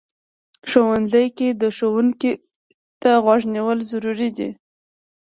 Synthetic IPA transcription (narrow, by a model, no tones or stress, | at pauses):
ʃowanzəjked̪əʃowuŋki | t̪aɣwɑʒniwəlzaɾuɾid̪ḭ